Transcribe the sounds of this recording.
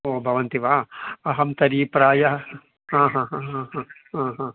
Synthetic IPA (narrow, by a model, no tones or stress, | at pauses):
oːbʱɐʋɐnt̪iʋaːɐɦɐmt̪ɐɾiːpɾaːjɐ | ɦãːɦãːɦãːɦãːɦãː | ɦãːɦãː